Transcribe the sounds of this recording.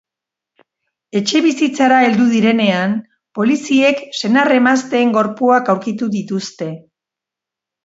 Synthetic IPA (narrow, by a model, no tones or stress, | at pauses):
e̞t͡ʃe̞βisit͡saɾae̞ld̪uðiɾe̞ne̞an | po̞lisie̞kse̞nare̞mast̪e̞ːŋɡo̞ɾpuakawɾkit̪uðit̪ust̪e̞